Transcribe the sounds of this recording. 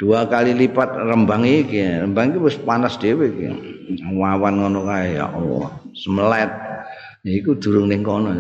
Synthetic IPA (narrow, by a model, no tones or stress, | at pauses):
d̥uakalilipat̪̚rəmbaŋikiɾəmbaŋikuwʊspanasd̪̥ewekḭwawanɔnɔkajaja̰ʔɔ̰səməlɛt̪̚ | ikud̪̥ṳɾʊŋnɪŋkɔnɔ